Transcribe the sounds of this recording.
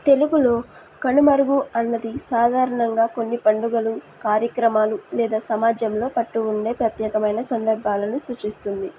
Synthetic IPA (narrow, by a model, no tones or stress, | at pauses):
t̪e̞luɡulo̞ː | kɐɳumɐɾuɡuɐnːɐd̪isaːd̪ʱaːɾɐɳɐŋɡaːkonːipɐɳɖuɡɐlu | kaːɾjɐkɾɐmaːlulɛːd̪aːsɐmaːd͡ʒɐmlo̞ːpɐʈːuːɳɖe̞ːpɾɐt̪jɛːkɐmɐjnɐsɐnd̪ɐɾbʱaːlɐnusut͡ʃist̪und̪i